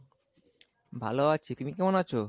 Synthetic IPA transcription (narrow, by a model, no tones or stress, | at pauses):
bʱa̰loat͡ɕʰit̪umikɛmonat͡ɕʰo